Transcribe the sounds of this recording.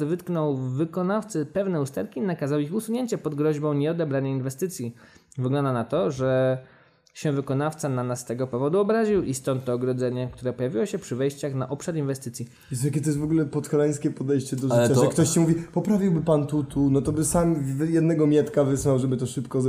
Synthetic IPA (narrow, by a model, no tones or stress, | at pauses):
vɘt̪knɔwvɘkɔnaft̪sɛpɛvnɛust̪ɛɾkʲinakazawixusuɲeɲt͡ɕɛpɔd̪ɡɾɔʑbɔ̃w̃ɲɛɔd̪ɛbɾaɲainvɛst̪ɘt̪sʲji | vɘɡlɔnd̪anat̪ɔʐɛ | ɕɛvɘkɔnaft̪sananasːt̪ɛɡɔpɔvɔd̪uɔbɾaʑiwʔist̪ɔnt̪ːɔːɡɾɔd̪zɛɲɛk̚t̪uɾɛpɔjavʲiwɔɕɛpʂɘvɛjɕt͡ɕaxna̰ʔɔpʂaɾinvɛst̪ɘt̪sʲji | jɛst̪ak̬ʲɛt̪ɔjɛsvɔɡulɛpɔt̪xalɛj̃skʲɛpɔd̪ɛjɕt͡ɕɛd̪ɔʐatt͡ɕaɛkt̪ɔɕt͡ɕimuvʲipɔpɾavʲiwbɘpant̪ut̪unɔt̪ɔbɘsamvjɛd̪nɛɡɔmʲjɛt̪kavɘswawʐɛbɘt̪ɔʂɘpkɔ